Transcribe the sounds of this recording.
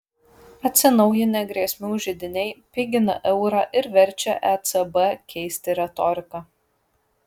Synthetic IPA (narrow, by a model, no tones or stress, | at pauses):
ɐt̪ʲsʲɪnɐʊjɪnʲɛɡɾʲiɛsʲmʲuːʒʲɪd̪ʲɪnʲɛɪpʲɪɡʲɪnɐ̰ʔɛʊɾɑːʔɪɾʋʲɛɾʲt͡ʃʲɛʔɛt̪sɐbɛkʲɛɪsʲt̪ʲɪɾʲɛt̪ɔɾʲɪkɑ